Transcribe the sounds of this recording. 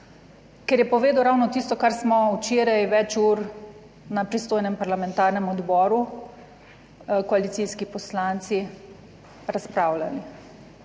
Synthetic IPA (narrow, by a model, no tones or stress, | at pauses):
kɛɾjɛpɔʋeːd̪wɾawnɔt̪ist̪ɔkaɾsmɔwt͡ʃeːɾajʋɛt͡ʃuːɾ | napɾist̪oːjnɛmpaɾlamɛnt̪aːɾnɛmɔd̪bɔːɾu | kɔalit̪siskipɔslant̪si | ɾaspɾaːwla̰li